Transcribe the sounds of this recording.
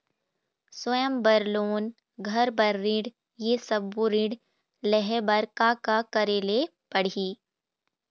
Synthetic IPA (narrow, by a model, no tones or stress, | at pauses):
swəjəmbɐɾloːn | ɡʱɐɾbɐɾːĩɽ | jesɐbuɾĩɖ | lɛɦɛbɐɾkakakəɾeːle | pɐɽ̤iː